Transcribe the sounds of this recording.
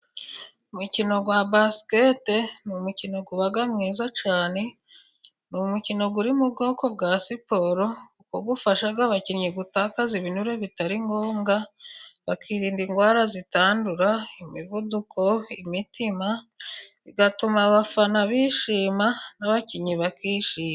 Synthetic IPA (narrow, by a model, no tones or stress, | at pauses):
umucino̞ɡwabasi̥kete̞numucino̞ɡuβaɡamŋiːzat͡ʃaːne̞ | numucino̞ɡuɾimubɡo̞ːko̞b̚ɡaːsipo̞ɾo̞ukoɡufaʃaɡaβaciɾɲeɡutaːkaziβinuɾe̞βitaɾiŋɡoːŋɡaβakʰiːɾiːndiŋɡwaːɾazitaːnduɾaimiβudukʰo̞imitima | iɡatumaβafanaβiʃiːmanaβaciɲiβakiːʃiːma